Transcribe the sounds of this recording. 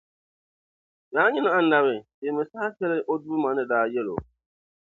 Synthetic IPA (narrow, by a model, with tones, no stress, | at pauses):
daː˦ɲɪ˦na˦ʔa˦n̩˦˨da˨bɪ˨de˨mɪ˨saː˦sɛ˦lɪ˦ʔo˦du˦ma˨nɨ˦daː˨˦jɛ˦lo̰˨